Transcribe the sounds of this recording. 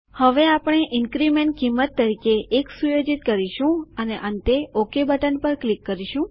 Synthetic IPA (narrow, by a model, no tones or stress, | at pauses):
həʋeapəɳ̃eʔɪnkɾimẽɳʈ̚kimːət̪ːəɾikeːksujod͡ʒit̪̚kəɾiʃũəneʔə̃nt̪eokebəʈənpəɾklikːəɾiʃũ